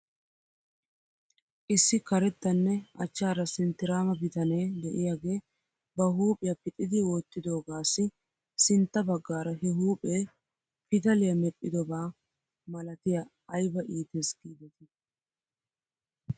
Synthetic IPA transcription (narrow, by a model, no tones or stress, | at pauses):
ʔɪsːɪkɐɾɛt̪ːɐnːɛʔɐt͡ʃːaːɾɐsɪnt̪ːɪɾaːmɐbɪt̪ɐneːd̪ɛʔɪjaːɡe̞ː | bɐɦuːpʼɪjɐpɪt̪ʼːɪd̪ɪwoːt̪ːɪd̪o̞ːɡaːsːɪ | sɪnt̪ːɐbɐɡːaːɾɐɦɛɦuːpʼeː | pɪd̪ɐlɪjɐmɛpʼːɪd̪ɔbaː | mɐlɐt̪ɪjɐ | ɐjbɐʔiːt̪esɡiːd̪ɛt̪ɪ